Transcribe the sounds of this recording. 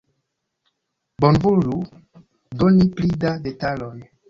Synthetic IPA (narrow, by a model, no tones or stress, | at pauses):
bonvulu | doniplidadetalon